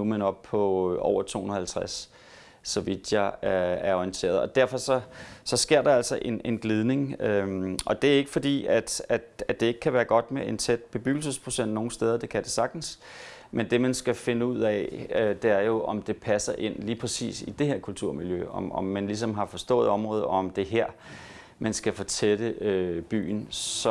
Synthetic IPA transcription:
umenɒ̽b̥̚pʰɒ̽ʔɒ̰ʊɐt͡sʰo̝̰ːhunð̩ˠhælt͡sʰʁasː | ɒ̽ʋid̥jɑ̈ææɐɒint͡sʰe̝̰ːɐðˠɒ̽d̥æɐ̰fɒ̽sɒ̽sɒ̽sɡ̥e̝ɐ̰ɾ̥ɑ̈æl̰sɒʔe̝ne̝nɡ̥lið̞ˠne̝ŋøɒ̽d̥e̝æɐe̝ɡ̥əfɒ̽d̥ḭːæd̥æ̥æ̥e̝e̝ɡ̥ə̥kʰæʋæːɐɡ̥ɒ̽d̥meent͡sʰed̥̚b̥e̝b̥yɡ̥l̩səspʰʁo̝sen̰d̥no̝ːn̩sd̥eð̞ˠɐd̥e̝kʰæd̥e̝sɑ̈ɡ̥̚d̥n̩s | mend̥e̝mænsɡ̥æfe̝nəuð̞̰ˠɛød̥e̝æɐjo̝ʔɒ̽md̥e̝pʰæsɐʔe̝n̰liːpʰʁɛsḭːsid̥e̝heɐkʰult͡sʰuɐ̰miljøɒ̽mɒ̽mːænlis̬ɒ̽mɦɑ̈fɒ̽sd̥ɔ̰̽ːð̞̩ˠɒ̽mʁɔ̽ːðˠɒɒmd̥e̝ɦæɐ̰ | mænsɡ̥æfɒ̽t͡sʰed̥əøb̥y̰ːn̩sɒ

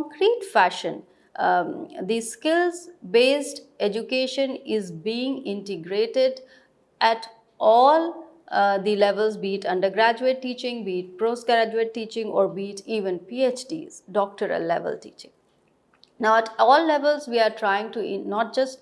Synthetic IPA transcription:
kɔ̃ŋkɾiːʈfæʃə̃n | d̪iskɪlzbeːsʈed͡ʒukeːʃə̃nɪzbiːɪ̃ŋɡɪ̃ɳʈɪɡɾeːʈɪɖ | ʔæʈ | ʔɔːl | d̪ilɛʋəlzbiːʈʌ̃ɳɖəɾɡɾæd͡ʒueʈːiːt͡ʃɪ̃ŋbiːʈ̚pɾoːsɡɾæd͡ʒueʈːiːt͡ʃɪ̃ŋɔ̰ːɾbiːʈiːʋə̃npiːet͡ʃɖḭːz̥ɖɔːk̚ʈəɾə̰lːɛ̰ʋə̰lʈḭːt͡ʃɪ̃ŋ | naʊɛʈʰɔːlːɛʋəlzʋiːaɾʈʰɾaɪɪ̃ŋʈunɔːʈ̚d͡ʒʌsʈ

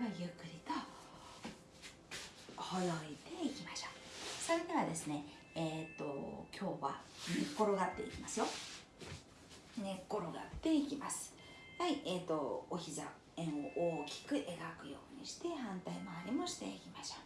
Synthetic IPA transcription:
ajɯkːɯ̟ɾʲit̪a | hojoit̪e̞ikʲimaɕo̥sainaβad̪e̞sɨne̞ | et̪ːo̞̰kʲʰo̞ːβa̰nkːo̞ɾo̞ɡat̪ːe̞̰ikʲimasɨjo̞ | ne̞kːo̞ɾo̞ɡa̰t̪ːe̞ikʲimasɨ̥ | haiet̪ːo̞oçiza | ẽɰ̃o̞̰ʔoːkʲi̥kɯ̟ʔe̞ɡakɯ̟jo̞̰ːɲ̟ḭɕi̥t̪e̞hãnt̪aimaːɾʲimo̞ɕi̥t̪e̞̰ikʲimaɕo̥

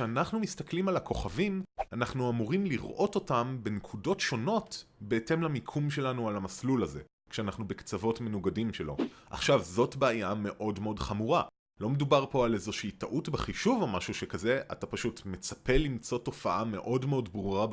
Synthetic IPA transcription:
eanaχnumistaklimalako̞χavimanaχnuamuʁimliʁʔo̞to̞tambe̞nekʰudo̞tʃo̞no̞tbe̞ːte̞mlamikʰumʃe̞lanualamaslulaze̞̰ | kʃeanaχnube̞kt͡savo̞tme̞nuɡadimʃe̞lo̞̰ʔa̰χʃavzo̞tbeajame̞ʔo̞dmeo̞dχamuʁa | lo̞me̞dubaʁpo̞alezoʃiːtaʔutbeχiʃuvamaʃuʃekaze̞ʔa̰tapaʃutme̞t͡sḁpe̞limt͡so̞to̞faʔame̞ʔo̞dmeo̞dbʁuʁa

